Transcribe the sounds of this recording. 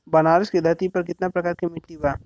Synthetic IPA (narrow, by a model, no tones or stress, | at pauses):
bɐnaːɾɪskid̪ʱɐt̪ipɐɾkɪt̪napɾɐkaːɾkimɪʈlibaː